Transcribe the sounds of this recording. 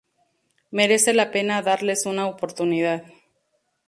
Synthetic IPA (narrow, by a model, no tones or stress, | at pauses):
me̞ɾe̞se̞lape̞naðaɾle̞sunaopo̞ɾt̪unið̞að